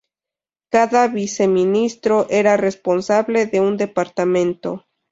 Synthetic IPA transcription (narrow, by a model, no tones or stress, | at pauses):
kaðaβise̞minist̪ɾo̞ʔe̞ɾare̞spo̞nsaβle̞ðe̞und̪e̞paɾt̪amẽ̞nt̪o̞